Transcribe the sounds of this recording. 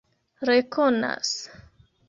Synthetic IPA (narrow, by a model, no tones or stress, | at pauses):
ɾekona̰s